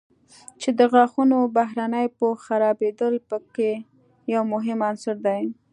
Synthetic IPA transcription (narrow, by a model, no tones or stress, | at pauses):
t͡ʃed̪əɣɑxunobaɦɾanəjpəxaɾɑbed̪əlpəke | jawmʊɦɪmansɪɾd̪aj